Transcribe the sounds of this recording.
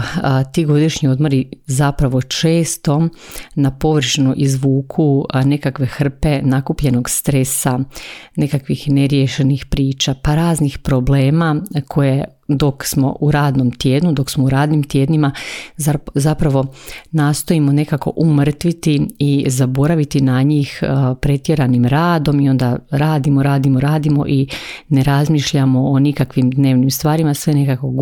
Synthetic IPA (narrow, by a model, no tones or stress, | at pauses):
t̪iːɡo̞d̪iʃɲio̞d̪moɾizapɾaʋo̞t͡ʃe̞ːst̪o̞ | napo̞ʋr̩ʃnuʔizʋuːkʰune̞kakʋe̞xr̩pe̞nakupʎe̞no̞ɡst̪ɾe̞sane̞kakʋixneɾjeʃe̞nixpɾiːt͡ʃapaɾaːznixpɾoble̞ːmakʰo̞je | d̪o̞ksmo̞̰ʔuɾaːd̪nomt̪je̞ːd̪nud̪o̞ksmouɾaːd̪nimt̪je̞ːd̪nima | zapɾaʋo̞naːst̪o̞imo̞ne̞kako̞̰ʔumr̩t̪ʋit̪iizabo̞ɾaʋit̪inaɲiːxpɾe̞t̪je̞ɾanimɾaːd̪o̞mio̞nd̪aɾaːd̪imoɾaːd̪imoɾaːd̪imo̞̰ʔine̞ɾazmiːʃʎamo̞onikakʋimd̪ne̞ːʋnimst̪ʋaːɾimasʋe̞ne̞kako̞ɡ